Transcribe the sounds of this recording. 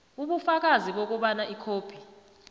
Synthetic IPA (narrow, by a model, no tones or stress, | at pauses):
uɓufak̬ʼaziɓok̬uɓanaʔikʰoːpʰi̥